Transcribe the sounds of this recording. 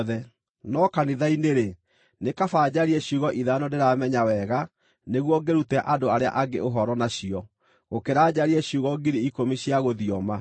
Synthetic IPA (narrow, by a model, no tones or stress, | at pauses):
ðɛ | nɔkaniðaineɾe | nekafaːd͡ʑaɾiɛɕjuɣɔʔiðanɔdeɾamɛɲawɛɣa | neɣwɔɡeɾutɛʔadoaɾea̰ʔaɡḛoɦɔɾɔnaɕiɔ | ɣokeɾaːd͡ʑaɾiɛɕjuɣɔɡiɾiikomiɕiaɣoðiɔma